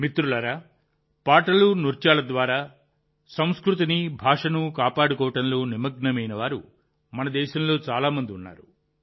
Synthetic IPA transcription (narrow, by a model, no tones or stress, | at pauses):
mit̪ɾulɐɾaː | paːʈɐlunuɾt͡ʃaːlɐd̪ʋaːɾaː | sɐm̃skɾut̪̬inibʱaːʂɐnukaːpaːɽukɔːʋɐʈɐnlo̞ːnimɐɡnɐmɐjnɐʋaːɾṵ | mɐnɐd̪ɛːʃɐmlo̞ːt͡ʃaːlaːmɐnd̪iunːa̰ːɾu